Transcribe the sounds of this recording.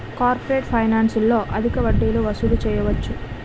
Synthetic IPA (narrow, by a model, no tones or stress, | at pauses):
kaːɾpoɾeːʈpʰɐjnaːnsulːo̞ːʔɐd̪ʱikɐʋɐɖːeːluʋɐsud̪ut͡ʃɛːjɐʋɐt͡ʃːu